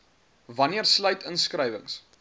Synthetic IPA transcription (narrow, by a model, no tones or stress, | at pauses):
vɐniərslœɥtənskrəjvə̰ŋs